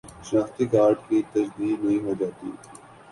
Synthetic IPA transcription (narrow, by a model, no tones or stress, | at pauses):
ʃnaːxt̪ikaːɾɖkit̪ɐd͡ʒd̪iːd̪nɐɦĩɦod͡ʒaːt̪ḭː